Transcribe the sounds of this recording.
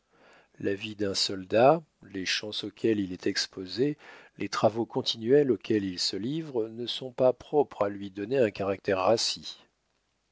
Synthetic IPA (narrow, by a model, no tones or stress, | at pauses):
lavid̪ɛ̃sɔld̪a | leʃɑ̃sokʲʰɛlilɛt̪ʰɛkspozelʔet̪χavokɔ̃t̪inɥɛlokʰʲɛlilsəlivʁnəsɔ̃papχɔpχalɥid̪ɔneɛ̃kaʁak̚t̪ɛʁːasi